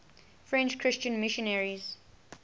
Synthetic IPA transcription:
fɹɛ̃nt͡ʃkʰɹɪst͡ʃə̃nmɪʃə̃nɛɹiz̥

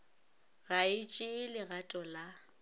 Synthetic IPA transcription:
ɣaɪt͡ʃʼɪlɪɣatʼɔla

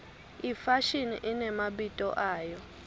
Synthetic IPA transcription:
ifaʃinḭʔinɛmaɓitʼɔ̰ʔaːjɔ

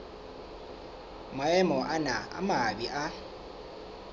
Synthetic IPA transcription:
maɛmɔʔanaa̰maɓiʔa

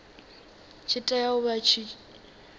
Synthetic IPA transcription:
t͡ʃʰɪtʼajaʊβat͡ʃʰi

